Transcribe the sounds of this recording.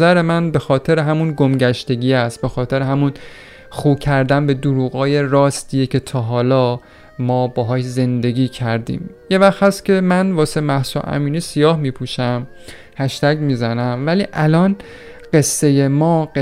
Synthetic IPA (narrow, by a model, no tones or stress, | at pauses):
zæɾe̞mænbe̞xɒːt̪ʰe̞ɾeɦæmunɡomɟæʃt̪e̞ɟiːæst̪̚be̞xɒːt̪ʰe̞ɾeɦæmun | xuːbcʰæɾd̪ænbe̞d̪uɾuːɣɒːje̞ɾɒːst̪iːjecʰe̞t̪ʰɒːɦɒːlɒː | mɒːbɒːɦɒːʃze̞nd̪e̞ɡʲiːcʰæɾd̪ḭːmje̞væxt̪hæst̪cʲʰe̞mænvɒːsemæhsṵʔæ̰miːniːsijɒːhmiːpʰuʃæm | hæʃt̪æɟmiːzænæmvæliːʔælɒːn | ɢ̥e̞sːe̞je̞mɒːɢe